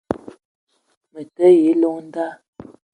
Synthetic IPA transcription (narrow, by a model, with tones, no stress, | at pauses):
mə˨tə˦je˨˦lo˦ŋn̩˦da˦